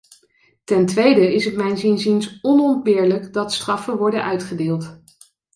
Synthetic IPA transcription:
tɛntʋejdəɪsətmɛjnzɪnzinsɔnɔnd̚bɪːɹləkdɑtstrɑfəʋɔɹdənʔœɥtχədɪːlˠt

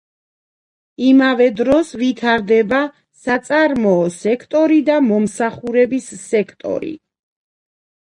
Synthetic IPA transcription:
imavɛd̪ɾɔsvit̪ʰaɾd̪ɛba | sat̪sʼaɾmɔːsɛkʰt̪ʼɔɾid̪amɔmsaχuɾɛbisːɛkʰt̪ʼɔ̰ɾḭ

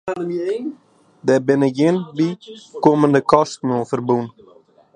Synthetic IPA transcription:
əien | dɛbɪnəjɪnbikoməndəkɔstnuəfərbun

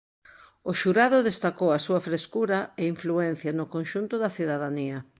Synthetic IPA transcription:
oʃuɾaðʊðest̪akowɐsuɐfɾeskuɾɐeiɱfluɛn̟θjɐnʊkonʃunt̪ʊðɐθiðaðaniɐ

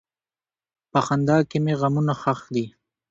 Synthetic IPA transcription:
paxand̪ɑkemeɣamunaxaxd̪i

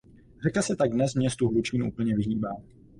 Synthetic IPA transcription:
rɛkasɛt̪aɡ̚dnɛsmɲɛst̪uɦlut͡ʃinuʔṵpl̩ɲɛvɪɦiːbaː

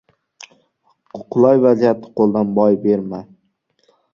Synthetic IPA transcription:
qʰʊlˠɒjvazijat̪ʰːɪ̥qʰolˠd̪anbɒjbe̞ɾma

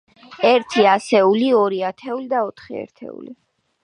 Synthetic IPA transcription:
ɛɾt̪ʰiasɛuliɔɾiat̪ʰɛulid̪aɔt̪ʰχiɛ̰ɾt̪ʰɛ̰ṵli

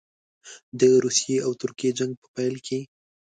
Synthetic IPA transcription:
d̪əɾusijeawt̪ʊɾkijed͡ʒaŋɡ̚pə̥pajlkʰe

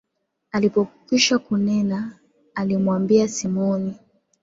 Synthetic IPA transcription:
alipɔkiʃakunɛnaː | limwambiasimɔni

